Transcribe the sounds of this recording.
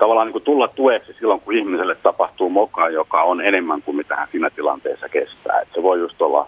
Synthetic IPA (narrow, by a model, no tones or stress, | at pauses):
t̪ɑʋɑlːˑɑːniŋkut̪ulːɑt̪t̪ueksisilːoŋkuihmiselːet̪t̪ɑpɑht̪uːmokɑjjokɑonenemːæŋkumit̪æhæ̰nsiːnæt̪ilɑ̰nt̪ḛːsːɑkest̪æ̰ːḛt̪seʋoˑijust̪olːɑ̰